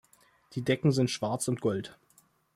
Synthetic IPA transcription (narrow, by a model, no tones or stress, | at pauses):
d̥iːdɛkŋ̩zɪntʃv̥aɐt͡sʊntɡ̥ɔlt